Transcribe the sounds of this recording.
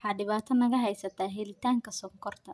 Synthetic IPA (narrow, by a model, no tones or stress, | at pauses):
ħaɖɪβaːt̪ʰɔnɐɣɐɦɛjsɐt̪ʰaːɦɛlɪt̪ʰaːŋkʰɐsɔːŋkʰɔrt̪ʰɐ